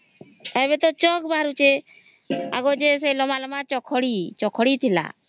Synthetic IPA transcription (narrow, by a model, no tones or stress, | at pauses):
ebet̪ɔt͡ʃɔkbʱaɾut͡ʃe | a̰ɡɔd͡ʒeselɔmalɔmat͡ʃɔkʰɔɽit͡ʃɔkʰɔɽit̪ʰila̰